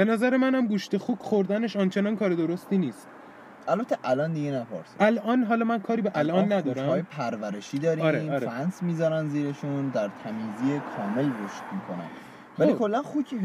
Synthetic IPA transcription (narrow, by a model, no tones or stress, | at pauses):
b̥e̞næzæɾemænæmɡuːʃt̪exuːkxoɾd̪æneʃɒnt͡ʃʰenɒːnkʰɒːɾed̪o̞ɾost̪iːniːst̪ | ælbæt̪ʰːeʔælɒnd̪iɡenæpɒ̰ɾsʔælʔɒːnɦɒːlɒːmænkʰɒːɾiːbeʔælʔɒːnːæd̪ɒːɾæɒːjepʰæɾvæɾeʃiːd̪ɒːɾiɒɾeɒɾfænsmiːzɒɾænziːɾeʃund̪æɾt̪ʰæmiːziːekʰɒːme̞lɾoʃt̪̚miːkʰonæ̰n | vælikʰolːænxucʰi